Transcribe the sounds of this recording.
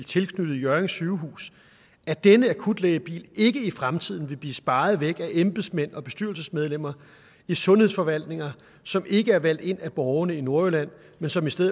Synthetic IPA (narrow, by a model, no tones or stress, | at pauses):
t͡sʰe̝lkʰnød̥ð̩ˠjœɐeŋsyʊɦṵːs | æd̥enəækʰud̥leɪb̥ḭːle̝ɡ̥əifʁamt͡sʰið̰ˠn̩ʋe̝b̥liːsb̥ɑ̈ːð̞̩ˠʋeɡ̥æʔemb̥ð̩ˠsmen̰ɒ̽b̥e̝sd̥yɐlsəsmeð̞ˠlem̰ɐ | isɔ̽nhe̝ðˠfɒ̽ʋæl̰d̥ne̝ŋɐ | sɒ̽mʔe̝ɡ̥əæɐʋæl̰d̥e̝n̰æb̥ɒʊɐnəino̝ɐølæn̰ | mensɒ̽misd̥eð̰ˠ